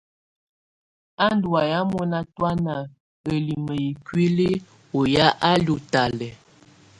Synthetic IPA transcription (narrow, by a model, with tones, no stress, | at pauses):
a˦n˦du˨a˨ja˦mo˦na˦twa˦na˨ | ə˨li˨mə˨i˨kwi˦li˦ | o˨ja˦ʔa˦lju˨ta˨lɛ˨